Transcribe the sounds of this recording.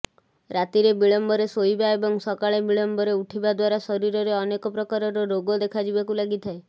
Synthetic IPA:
ɾat̪iɾebiɭɔmbɔɾesoibaebɔŋsɔkaɭebiɭɔmbɔɾeuʈʰibad̪waɾasɔɾiɾɔɾeɔnekɔpɾɔkaɾɔɾɔɾoɡɔd̪ekʰad͡ʒibakulaɡit̪ʰae

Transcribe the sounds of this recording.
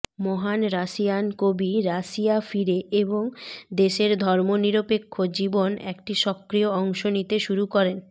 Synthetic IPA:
moɦanɾaʃiankobiɾaʃiafiɾeʔeboŋd̪eʃeɾd̪ʱɔɾmoniɾopekʰːod͡ʑibonḛkʈiʃɔkːɾijoɔŋʃonit̪eʃuɾukɔɾen

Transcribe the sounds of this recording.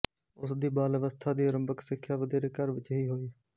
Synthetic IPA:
ʊsd̪iːbaːləʋəst̪ʰaːd̪iːəɾəmbəksɪkʰːjaːʋəd̪eːɾeːkəɾʋɪt͡ʃɦiːɦoːiː

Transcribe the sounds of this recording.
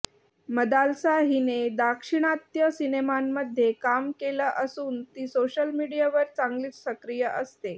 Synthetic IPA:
məd̪alsaɦined̪akʂiɽ̃at̪jəsinemamːəd̪ʱːjekamkeləʔəsuːnt̪iːsoɕəlmiɽijaʋəɾt͡saŋɡliːt͡ssəkɾijəʔəst̪e

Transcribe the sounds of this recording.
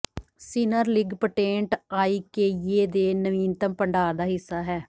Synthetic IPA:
sinəɾlɪɡpəʈẽːɳʈaːiːkeːjeːd̪eːnəʋiːnt̪əmpəɳɖaːd̪aːɦɪsːaːɦɛː

